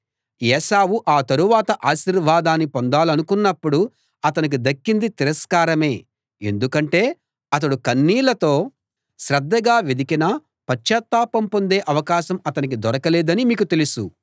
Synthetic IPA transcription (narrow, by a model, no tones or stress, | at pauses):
jɛːʃaːwuʔaːt̪ɐɾuʋaːt̪ɐʔaːʃiɾʋaːd̪aːnːipond̪aːlɐnukunːɐpːuɽu | ɐt̪ɐnik̬id̪ɐkːind̪it̪iɾɐskaːɾɐme̞ː | e̞̰nd̪ukɐɳʈe̞ː | ɐt̪̬ɐɽukɐnːiːlɐt̪o̞ː | ʃɾɐd̪ːɐɡaːʋed̪ikinɐ | pɐt͡ʃʃɐt̪ːaːpɐmpo̞nd̪e̞ːʔɐʋɐkaːʃɐmɐt̪ɐnik̬id̪ɔɾɐkɐlɛːd̪ɐnimiːkut̪e̞lusu